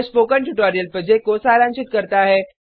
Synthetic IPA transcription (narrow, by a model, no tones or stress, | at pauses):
spoːkəɳʈuʈoːɾijəlpɾod͡ʒek̚kːosaːɾãːnt͡ʃɪt̪̚kɐɾt̪aɦɛː